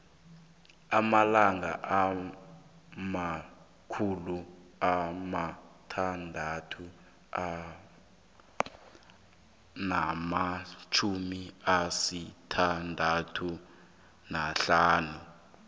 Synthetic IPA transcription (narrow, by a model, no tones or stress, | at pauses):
amalaŋa̰ʔa | ma | kʰuluamatʰandʱatʰu | a | namat͡ʃʰumiasitʰandʱatʰu | naɬaːnu